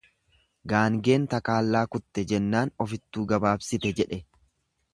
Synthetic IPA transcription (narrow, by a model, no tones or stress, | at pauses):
ɡaːŋɡe̞ːnt̪ɐkaːlːaːkʊt̪ːɛd͡ʒɛnːaːnɔfɪt̪ːuːɡɐbaːbsɪt̪ɛd͡ʒɛᶑɛ